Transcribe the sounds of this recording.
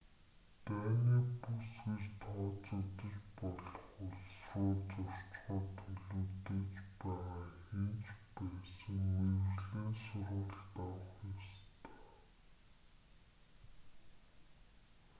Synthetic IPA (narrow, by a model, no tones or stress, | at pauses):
t̪æːniːpusxirt̪ɔːt͡sʊt̪ə̆ɮpɔɮɞ̆χʊsrʊːt͡sʊr̥t͡ɕχɔːt̪ʰːɵɮuːt̪eːt͡ɕpæːʁaːxent͡ɕpæːsə̆ŋwewɮeːnsʊrʁʊ̆ːɮt̪awə̆χjɔst̪ʰe̥ː